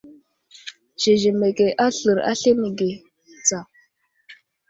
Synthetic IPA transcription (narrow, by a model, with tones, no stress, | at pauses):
ʒ̥e˨ʒe˨me˨ke˨ʔa˦ɬə˨ɾa̰˦ɬe˦mi˨ɡe˨ | t͡sa˨